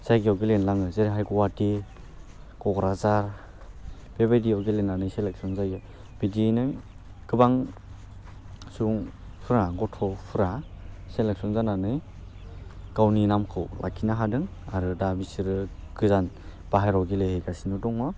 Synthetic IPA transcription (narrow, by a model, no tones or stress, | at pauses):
z̥aɡiawɡelenlaŋɯzeɾɦajɡɔwati | ɡɔɡɾazaɾ | b̥ebajdiawɡelenanɯjselek̚sɔnzajɯ | b̥idinɯ | ɡ̥ɯbaŋ | suŋ | pʰɯɾaɡɔtʰɔpʰɯɾaselek̚sɔnzananɯj | ɡ̥awninamkʰɯ̰wlʔa̰kʰinaɦadɯŋaɾɯdabisiɾɯɡɯzan | b̥aɦajɾɔɡilehejɡasinɯdɔŋɔ